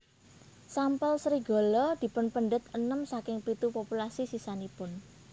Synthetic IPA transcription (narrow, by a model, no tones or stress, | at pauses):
sampəlsɾiɡ̥o̤lɔd̪̥i̤pʊnpəɳɖət̪ənəmsakɪŋpit̪upopulasisisanipʊn